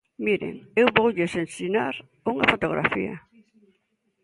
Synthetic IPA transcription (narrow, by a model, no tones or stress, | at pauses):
miɾḛŋewβowʎesensinaɾ | uŋɐfot̪oɣɾʔa̰fḭɐ̰